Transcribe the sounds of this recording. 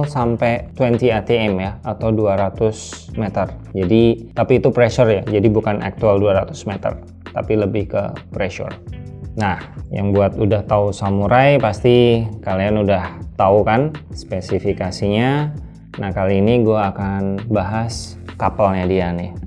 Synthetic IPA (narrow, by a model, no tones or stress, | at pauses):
sampɛt̪wɛnt̪iat̪eɛmjaat̪awduaɾat̪ʊsmet̪ərd͡ʒadit̪apiːt̪upɾɛʃɔrjad͡ʒadibukanʔa̰k̚t̪ualduaɾat̪ʊ̥smet̪ə̰r | t̪a̰piləbɪhkə̰pɾeʃṵrnahja̰ŋbuat̪udaht̪ausamuɾajpast̪ikalianudaht̪aukanspesifikasiɲa | nahkaliːniɡuaːkanbaɦas | kapəlɲadiani